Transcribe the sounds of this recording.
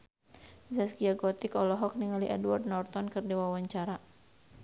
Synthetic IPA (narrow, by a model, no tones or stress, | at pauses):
zasɡiaɡɔt̪ikɔlɔɦɔk̚niŋaliʔɛdward̪̚nɔrt̪ɔnkɨrdiwawaɲt͡ʃaɾa